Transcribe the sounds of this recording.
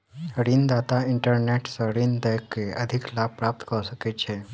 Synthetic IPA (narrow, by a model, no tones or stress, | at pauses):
ɾiːnd̪at̪aiɳʈəɾneʈsəɾiːnd̪əjkːeʔəd̪ʱiklab̚pɾap̚t̪kəɾusəket͡ɕʰe